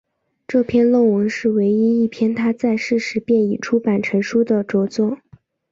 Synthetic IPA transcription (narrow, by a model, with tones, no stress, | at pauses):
ʈ͡ʂɤ˥˧pʰjɛ˥˧nlo˥˩ŋwə˧˥ŋʂɻ̩˥˩we˧˥ɪi˥i˥˩pʰjɛ˥nt̪ʰa˥t͡sa˥˧ɪʂɻ̩˥˩ʂɻ̩˧˥pjɛ˥˩ni˨˩ʈ͡ʂʰu˥pa˨˩nʈ͡ʂʰɤ˧˥ŋʂu˥d̪ə˨ʈ͡ʂɔ˧˥t͡swɔ˥˩